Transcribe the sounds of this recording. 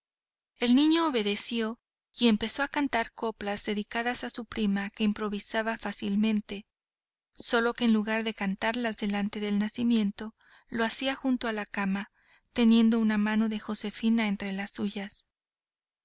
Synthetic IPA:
e̞lnĩɲo̞ːβe̞ðe̞sjo̞ | ie̞mpe̞so̞akant̪aɾko̞plazðe̞ðikaðasasupɾimake̞impɾo̞βisaβafasilmẽ̞nt̪e̞ | so̞lo̞ke̞ːnluɣaɾðe̞kant̪aɾlazðe̞lant̪e̞ðe̞lnasimje̞nt̪o̞ | lo̞asiaxunt̪oalakama | t̪e̞nje̞nd̪ounamano̞ðe̞xo̞se̞finaent̪ɾe̞lasːuʝas

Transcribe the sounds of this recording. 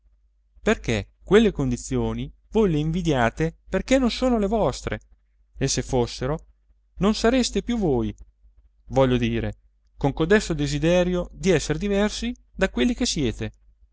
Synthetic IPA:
perke | kwelːekond̪it̪sːjoːni | vojleiɱvid̪jaːt̪eperkenːonsoːnolevɔst̪ɾḛ | esːefːosːeɾo | nonsaɾest̪epjuvoj | vɔʎːod̪iːɾe | koŋkod̪ɛsod̪ezid̪ɛːɾjod̪iɛsːeɾed̪ivɛrsi | d̪akwelːikesːjɛːt̪e

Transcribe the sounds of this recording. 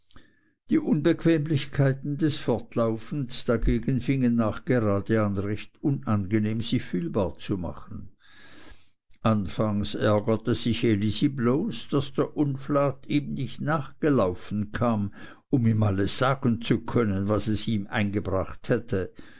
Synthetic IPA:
d̥iːʔʊnbəkʰv̥ɛːmlɪçkʰaɪtn̩dɛsfɔɐtʰlaʊfn̩sd̥aɡeːɡən̩fɪŋənːaːχɡ̥əʁaːdəanʁɛçtʊnanɡəneːmz̥iːfyːlbaːɐt͡suma̰χən̩ | ʔanfaŋsɛ̰ɐɡətəz̥ɪçelizibloːsd̥asd̥eːɐʔʊnflaːtʰiːmnɪçtnaːχɡ̥əlaʊfn̩kʰaːm | ʊmiːmaləsz̥aːɡn̩t͡sukʰœnənvasɛsiːmʔa̰ɪnɡəbʁaχthɛtʰə

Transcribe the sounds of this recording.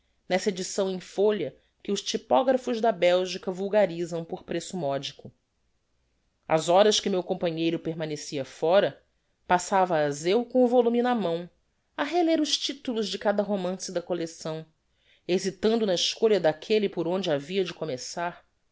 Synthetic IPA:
nɛsɐed͡ʒisɐ̃w̃ẽj̃foʎɐ | kɪʊʃt͡ʃipɔɡɾɐfʊʒd̪ɐbɛwʒikɐvuwɡaɾizɐ̃w̃poχpɾesʊmɔd͡ʒikʊ | ɐ̰zɔɾɐskɪmewkõmpɐɲejɾʊpeɾmɐ̃nesiɐfɔɾɐ | pasavɐːzewkõw̃ʊvolũminɐmɐ̃w̃ | ɐɦeleɾʊʃt͡ʃit̪ulʊzd͡ʒɪkad̪ɐɦomɐ̃sɪd̪ɐkolesɐ̃w̃ | ezit̪ɐ̃nd̪ʊnɐiʃkoʎɐd̪akʰelipʊɾõnd͡ʒɪaviɐd͡ʒɪkomesaɾ

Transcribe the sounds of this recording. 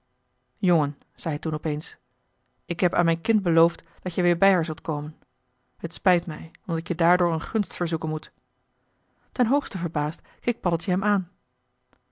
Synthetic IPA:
jɔŋən | z̥ɛjɦɛtunɔpejns | ɪkɦɛpa̰ːnmɛjnkɪnt̚bəlowftd̥ɑtjəʋɪːɹbɛjɦaːɹzɵlˠtkowmən | hətspɛjtmɛjɔmdɑtjədaːɹdʊːɹənχɵnstfəɹzukənmut | tɛnɦowχstəvəɹbaːst | kejk̚pɑdəlˠtjəɦɛmʔaːn

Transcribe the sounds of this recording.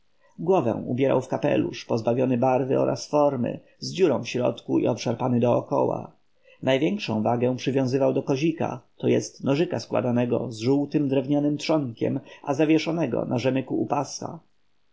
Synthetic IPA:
ɡwɔvɛ̰̃w̃ubʲjɛɾa̰wfkapɛ̰lṵʂpɔzbavʲjɔnɘbaɾvɘɔɾʔa̰sfɔɾmɘ̰ | zd͡ʑuɾɔ̃w̃fɕɾɔ̰t̪kuḭɔpʂaɾpanɘd̪ɔːkɔ̰wa̰ | najvʲjɛŋkʂɔ̰̃w̃vaɡɛ̃pʂɘvʲjɔ̃w̃zɘvawd̪ɔkɔʑika̰t̪ɔjɛst̪nɔʐɘkaskwa̰d̪anɛɡɔ̰zʐuwt̪ɘmd̪ɾɛvɲanɘmt̪ʂɔŋkʲɛ̰mazavʲjɛʂɔnɛɡɔ̰nʔaʐɛmɘkuːpasa̰

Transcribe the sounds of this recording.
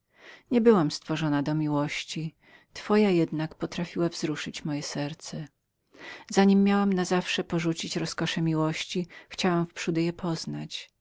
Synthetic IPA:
ɲɛbɘwamst̪fɔʐɔnad̪ɔmʲiwɔɕt͡ɕi | t̪fɔjajɛd̪nakpɔt̪ɾafʲiwavzɾuʂɘt͡ɕmɔjɛsɛɾt̪sɛ | zaɲimːjawamnazafʂɛpɔʐut͡ɕit͡ɕɾɔskɔʂɛmʲiwɔɕt͡ɕixt͡ɕawamfpʂud̪ɘjɛpʰɔznat͡ɕ

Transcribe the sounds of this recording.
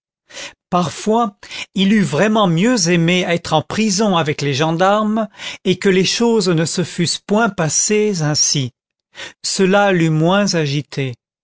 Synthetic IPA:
paʁfwailyvʁɛmɑ̃mjøzemeɛt̪χɑ̃pχizɔ̃avɛkleʒɑ̃d̪aʁmekəleʃoznəsəfyspwɛ̃pasezɛ̃si | səlalymwɛ̃zaʒit̪ʰe

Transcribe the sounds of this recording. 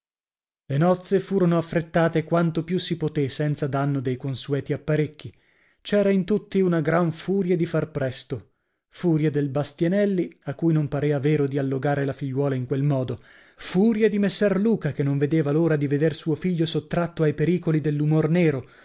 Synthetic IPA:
lenɔt̪sːefuːɾonoafːɾet̪ːaːt̪ekwant̪opjusipot̪esɛnt̪sad̪anːod̪ejkonsuɛːt̪iapːaɾek̟ːi | t͡ʃɛːɾaint̪ut̪ːiunaɡɾaɱfuːɾjad̪ifarpɾɛst̪o | fuːɾjad̪elbast̪janɛlːiakːujnompaɾeːvaveːɾod̪ialːoɡaːɾelafiʎːwɔːlaiŋkwelmɔːd̪o | fuːɾjad̪imesːɛrluːkakenːõɱved̪eːvaloːɾad̪ived̪ersuːofiʎːosot̪ːɾat̪ːoajpeɾiːkolid̪elːumorneːɾo

